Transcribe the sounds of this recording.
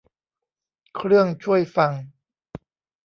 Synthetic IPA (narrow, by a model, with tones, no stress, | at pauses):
kʰɾɯ˥˩əŋt͡ɕʰu˥˩əjfa˧ŋ